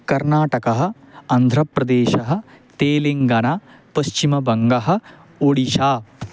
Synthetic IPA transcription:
kɐɾnaːʈɐkɐɦɐ̆ | ɐnd̪ʱɾɐpɾɐd̪eːʃɐɦɐ̆t̪eːleŋɡɐnaːpɐʃt͡ʃimɐbɐŋɡɐɦɐ̆ | oɽiʃaː

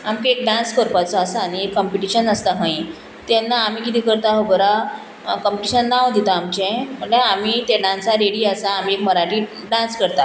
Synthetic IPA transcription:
amkeek̚ɖãnskəɾpat͡sɔasaːɽ̃iekːəmpiʈiɕənəst̪aɦə̃i | t̪ɛnːaːm̤iːkit̪iːkəɾt̪aɦəbəɾa | kəmpiʈiɕənːaʋd̪it̪aːmt͡ɕẽm̤əɳleam̤iːt̪eɽãnt͡saɾeɽiːasaːm̤iekməɾaʈi | ɖãnskəɾt̪a

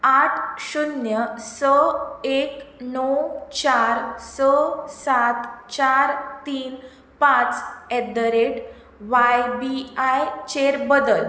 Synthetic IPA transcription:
aʈʰɕunjəsəeknɔwt͡ɕaɾsəsat̪t͡ɕaɾt̪iːn | pãt͡sɛd̪əɾeʈ | ʋajbiajt͡ɕeɾbəd̪əl

